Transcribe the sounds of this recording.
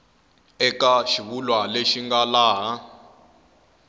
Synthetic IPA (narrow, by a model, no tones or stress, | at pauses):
ɛkaʃiβulwaleʃiŋɡalaːɦa